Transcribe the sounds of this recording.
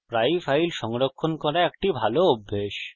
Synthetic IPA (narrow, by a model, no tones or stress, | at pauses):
pɾajfʰajlʃɔŋɾokʰːonkɔɾaek̚ʈibʱaloobʱːeʃ